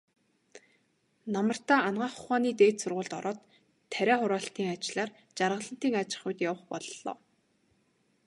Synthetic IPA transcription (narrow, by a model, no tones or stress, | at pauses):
namə̆r̥t̪aːanɢaːχʊ̥χaːniːt̪eːt̪sʊrʁʊːɮt̪ɔ̰ɾɔːt̪ʰː | æɾʲæːχʊɾaːɬt̪iːŋat͡ɕɮaːr | t͡ɕarʁə̆ɮə̆n̥t̪iːŋat͡ɕɪ̥̆χʊjt̪jawə̆χpɔɮːɔ̰ː